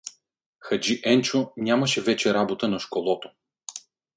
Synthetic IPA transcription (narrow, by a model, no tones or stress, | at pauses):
xɐd͡ʒiʔɛnt͡ʃonʲjamɐʃɛvɛt͡ʃɛɾabot̪ənɐʃkolˠɔt̪o̥